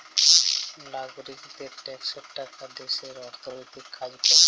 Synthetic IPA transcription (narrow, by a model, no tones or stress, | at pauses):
laɡoɾikd̪eʈɛkʃokʈakad̪eʃeɾɔɾt̪ʰonojt̪ikːad͡ʑko